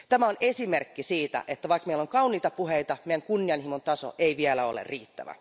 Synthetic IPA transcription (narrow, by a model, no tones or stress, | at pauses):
t̪æmæonesimerkːisiːt̪æ̰ʔet̪ːæʋɑikmeilːoŋkɑuniːt̪ɑpuɦeijt̪ɑmejæŋkunːiɑnhimont̪ɑso̰ʔeiʋiælæo̰lḛrriːt̪ːæ̰ʋæ̰